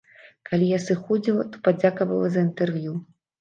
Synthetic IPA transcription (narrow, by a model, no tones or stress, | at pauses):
kalʲijasɨxɔd͡zʲilˠɐt̪ɔ̥pad͡zʲakɐvɐlˠɐzɐint̪ɛrvʲju